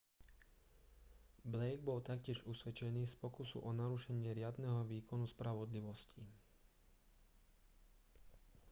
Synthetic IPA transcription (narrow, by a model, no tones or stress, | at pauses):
blɛjɡ̚bɔlt̪akcɪɛʒusʋɛt͡ʃɛniːspɔkusṵʔɔnaɾuʃɛɲɪɛɾɪad̪nɛɦɔʋiːkɔnuspɾaʋɔd̪liʋɔsci